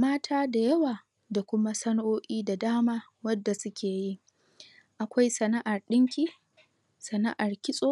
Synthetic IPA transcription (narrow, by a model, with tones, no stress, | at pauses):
maː˦tʰaː˦da˨jɐ˦waː˨ | da˨kʷʊ˦ma˦sɐ˦noː˦ʔʲiː˦da˨daː˦maː˦ | wɐ˦dːa˨sʊ˦kʲeː˨ji˦ | ʔa˨kʷa˦jsɐ˨na˦ʔa˨rɗɪ˦ŋkʲiː˦ | sɐ˨na̰˦ʔa˨rkʲɪ˦sʼoː˦